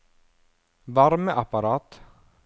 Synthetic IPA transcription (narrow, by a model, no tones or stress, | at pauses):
vaɾməʔapaɾɑːt̪